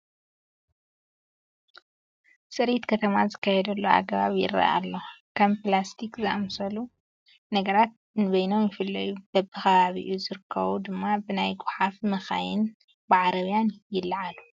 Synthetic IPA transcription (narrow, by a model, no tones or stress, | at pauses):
sʼɨɾit̪kʰɐt̪ʰɐmazɨkːajɛd̪ɐlːoa̰ɡɐβaβjɪ̰ɾa̰ʔa̰lːokʰɐmplast̪ʰikzɨʔamsɐlu | nɐɡɐɾat̪̚ | nɨβɐjno̞mjɪfɨlːɐjub̥ɐbɨxɐβaβḭʔuzɨɾɨkʰːɐβud̪ɨmːabɨnajɡʊħafmɐxajɪn | bɨʕaɾɐβijanjɪlːʕalu